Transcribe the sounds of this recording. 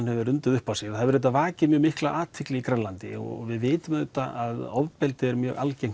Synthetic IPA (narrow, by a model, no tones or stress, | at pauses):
nhɛvʏɾʏnt̪ʏðʏhpawsɪɣθaðvɛɾɛt̪ːavaːcɪmjœːɣmɪhklaʔaːt̪ʰɪklɪɣikɾɛlant̪ɪ̰ɔ̰ɔvɪðvɪːt̪ʏmðɛt̪a̰aðɔvpɛlt̪ɪɛɾmjœːɣʔa̰lcejŋ̥